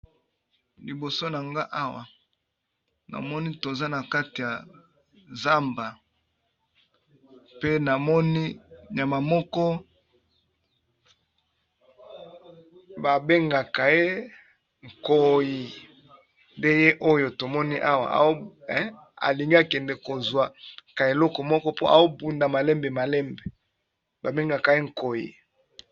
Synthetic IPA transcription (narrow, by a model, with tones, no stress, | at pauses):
li˨bo˨so˦na˨ŋɡa˦ʔa˦wa̰˨ | na̰˨mɔ˦ni˦to˨za˦na˨ka˦ti˨ja˨ | za˦mba˨ | pe˦na˨mɔ˦ni˦ja˨ma˨mɔ˦kɔ˦ | ba˨be˦ŋɡa˨ka˨je˦ | ŋ̩˨ko˨ji˨ | nde˦je˦ʔo˦jo˨to˨mɔ˦ni˦ʔa˦wa̰˨a̰˨o˦ | a̰˨li˨ŋɡa˨kɛ˨ndɛ˨ko˨zwa˨ka˨e˨lɔ˦kɔ˨mɔ˦kɔ˦po˦a̰˨zo˦bu˨nda˨ma˨lɛ˦mbe˨ma˨lɛ˦mbe˨ | ba˨be˦ŋɡa˨ka˨je˦ŋ̩˨ko˨jḭ˨